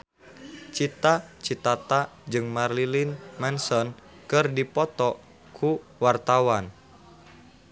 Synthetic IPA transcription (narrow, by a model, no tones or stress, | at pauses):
t͡ʃit̪at͡ʃit̪at̪ad͡ʒɨŋmarlilinmɛnsɔn | kɨrdipɔt̪ɔ | kʰu | wart̪awan